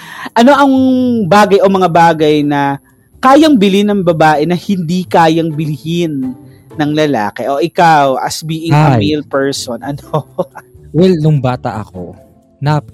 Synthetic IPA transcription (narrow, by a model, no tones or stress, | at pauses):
ʔɐno̞ʔɐŋbaːɡɐjʔo̞mɐŋabaːɡɐjnɐ | kaːjɐŋbɪlɪnɐŋbɐbaːʔɛnɐhɪnd̪ikaːjɐŋbɪlɪhɪnː | ɐŋlɐla̰ːkɛʔoʔɪkawʔɐ̰sbiːʔɪkɐmilpɛɹsonʔɐno | wɛlnʊŋbaːt̪ɐ̰ʔɐ̰ko̰ | nap